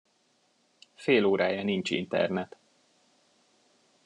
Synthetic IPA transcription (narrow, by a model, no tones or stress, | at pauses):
feːloːɾaːjɒnint͡ʃḭnt̪ɛ̰rnɛt̪